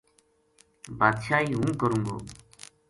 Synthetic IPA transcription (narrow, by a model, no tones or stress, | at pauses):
baːd̪ʃaːiːɦũːkəɾũːɡo̰ː